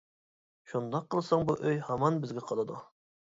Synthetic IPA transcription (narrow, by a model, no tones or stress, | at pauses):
ʃund̪ɑqʰːəlˠsɑŋbuʔøjhɑmɑnbɪzɡʲɛqʰɑlˠɨd̪u